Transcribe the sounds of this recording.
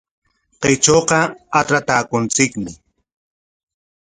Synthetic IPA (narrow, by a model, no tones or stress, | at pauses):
qet͡ʃoqɑaʈ͡ʂɾat̪aːkʊnt͡sɪkmɪ